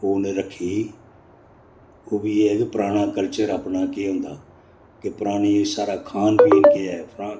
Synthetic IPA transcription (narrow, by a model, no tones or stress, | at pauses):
oːneːɾəkʰːiː | oːbiːeːpəɾaːɽ̃ãːkəɾt͡ʃəɾapnaːkɪːɦʊ̃ːnd̪aː | kepəɾaːɽ̃iːsaːɾaːkʰaːnpiːnkɪapʰɾãː